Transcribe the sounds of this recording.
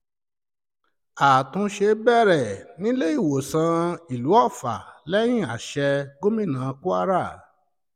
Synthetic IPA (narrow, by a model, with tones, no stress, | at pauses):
a˨tũ˧ʃe˧bɛ˦˨ɾɛ˨nĩ˨˦le˦i˦˨wo˨sã˧i˨lu˨˦ɔ˦˨fa̰˨lɛ˦j̃ĩ˦˨a˨ʃɛ˧ɡo˦mĩ˦˨nãː˨˦˧ku˦a˦ɾa˦˨